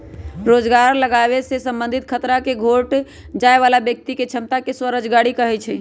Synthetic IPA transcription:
ɾod͡ʒɡaɾləɡaβesesə̃mbənd̪ʱit̪kʰət̪ɾakeɡʱoʈ | d͡ʒaeβalabjək̚t̪iket͡ʃʰəmt̪akeswəɾəd͡ʒɡaɽikəɦɛt͡ʃʰɛ

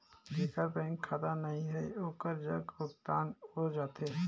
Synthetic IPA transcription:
bʱeːkəɾbɛ̃ːŋkʰːaːd̪anɐɦĩɦɛoːkəɾd͡ʒɐɡʊk̚t̪aːnɦod͡ʒaːt̪e

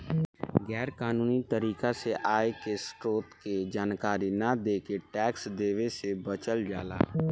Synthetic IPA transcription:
ɡɛːɾkaːnuːnit̪əɾiːkaseʔaːekesʈɾoːt̪ked͡ʒaːnkaːɾinad̪eːkeʈɛːksd̪eːʋesebət͡ʃəld͡ʒaːla̰ː

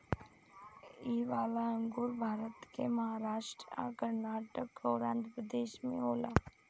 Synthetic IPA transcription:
iːʋaːlaə̃ŋɡuːɾbʱaːɾət̪kemɐɦaːɾaːʃʈɾəa̰kəɾnaːʈəkɔːɾãːnd̪ɾəpɾəd̪eːʃmḛ̃ɦoːlaː

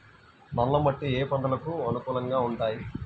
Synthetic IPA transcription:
nɐlːɐmɐʈːieːpɐɳɖ̪ɐlɐkuɐnukuːlɐŋɡaːuɳʈaːji

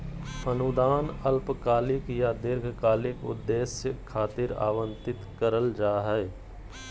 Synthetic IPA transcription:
pʰənud̪aːnəlpkaːlɪkjad̪ɪɾɡʱkaːlɪkʊ̰d̪ːeːsjəkʰːaːt̪ɪɾa̰ːʋə̃nt̪ɪt̪kəɾəld͡ʒaːɦɛe

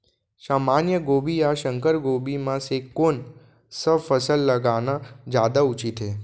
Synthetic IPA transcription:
ʃamanjəɡobiaʃəŋkəɾɡobimãsekːon | səfəsəlːəɡanad͡ʒad̪aut͡ʃit̪ʰe

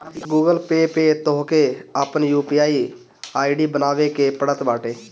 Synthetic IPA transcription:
ɡuːɡəlpeːpeːt̪oɦkeəpənjuːpiːaːiː | aːiɖiːbənaːʋekepəɽət̪baːʈeː

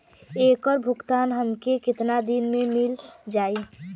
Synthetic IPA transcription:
eːkɔɾbʱʊkt̪aːnɦəmkekɪt̪nad̪inmẽmɪld͡ʒaːi

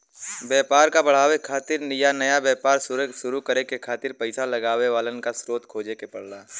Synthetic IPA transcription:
bjɛːpaːɾkabɐɽ̤aːʋekʰaːt̪ɪɾnɪjanɐjabjɛːpaːɾsʊɾekʃʊɾukəɾekekʰaːt̪ɪɾpəɪsalɐɡaːʋeʋaːlənkasɾoːt̪kʰoːd͡ʒekepɐɽ̤laː

